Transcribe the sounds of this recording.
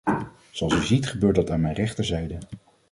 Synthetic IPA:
zoɑlˠsyzitχəbøːɹtdɑtaːnmɛjnrɛχtəɹzɛjdə

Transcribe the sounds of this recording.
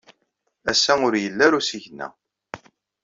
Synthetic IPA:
æsæʊɾjəlːæɾusiʝənːæ̰

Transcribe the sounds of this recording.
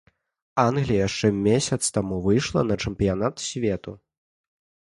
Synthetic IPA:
anɣlʲijjaʂt͡ʂɛmʲesʲɐt̪st̪amuvɨjʂlˠɐ̰nɐt͡ʂɛmpʲijanat̪sʲvʲɛt̪u

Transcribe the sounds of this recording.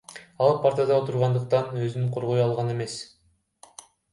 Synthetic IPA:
ɑlˠpʰaɾt̪ad̪ɑot̪ʰuɾʁɑnd̪ɯq̚t̪ɑnø̞zynyqʰo̞ɾʁo̞jɑlˠʁɑne̞me̞s

